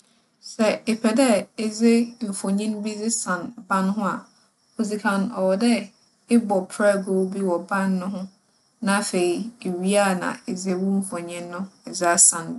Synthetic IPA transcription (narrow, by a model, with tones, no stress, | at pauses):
sɛ˨e˨pʰɛ˨dɛ˦ɪ˦d͡zɪ˦m̩˨fɔ˨ɲɪ̃˦nbi˦d͡zɪ˦sã˨nbã˦nɦʊ̃˦a˨ | o˨zi˨kʰã˨nɔ˨wɔ˨dɛ˦ | ɪ˦bɔ˨pʰɾa˦˨ɡo˦bi˦wɔ˨bã˦nːʊ̃˦ɦʊ̃˦ | nã˨˦fe˨i˨e˨ɥi˦a˦˨nã̰˨e˨zɪ˨˦wʊ˦m̩˨fɔ˨ɲɪ̃˦nːʊ̃˦ɛ˨zɪ˦a˦sã˨n˦